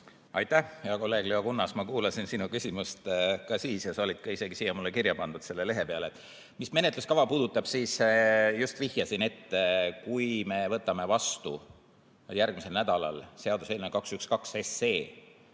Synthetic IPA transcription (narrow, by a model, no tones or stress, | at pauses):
ɑjt̪ːæhjɑko̞lːe̞ːɡ̥liɑkunːɑsmɑkuːlɑsinsinukysʲimust̪kɑsiːsjɑsɑolid̪̚kɑise̞ɡ̥isiːjːɑmulːekirjɑpɑnd̪̥ud̪se̞lːe̞le̞ɦe̞peɑle | misme̞net̪luskɑvɑpuːd̪̥ut̪ːˑɑb̥siːsjust̪vihjɑsine̞t̪ːekujme̞vɤt̪ːˑɑme̞vɑst̪ṵ | jærɡ̥mise̞lnæd̪̥ɑlɑ̰lse̞ɑd̪use̞ːlnekɑksykskɑkse̞se̞ː